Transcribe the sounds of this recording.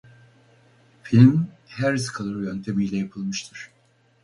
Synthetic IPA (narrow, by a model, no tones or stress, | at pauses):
filʲmhæɾzkʰalˠɯɾɯjønt̪ʰe̞mijlʲɛjapʰɯlˠmɯʃt̪ʰɯɾ̥